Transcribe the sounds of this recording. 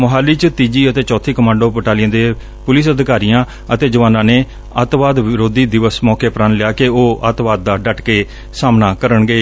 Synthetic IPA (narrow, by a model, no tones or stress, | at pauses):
mʊɦaːlːiːt͡ʃət̪iːd͡ʒiːət̪eːt͡ʃɔːt̪ʰːiːkəmãːɳɖoːpəʈaːlɪjãːd̪eː | pʊlɪsəd̪kaːɾijãː | ət̪eːd͡ʒəʋaːnãːneː | ət̪ʋaːd̪ʋɪɾoːd̪iːd̪ɪʋəsmɔːkeːpɾanlɪjaːkeoːʔət̪ʋaːd̪̚ːaːɖəʈkeː | saːmnaːkəɾəɳɡeː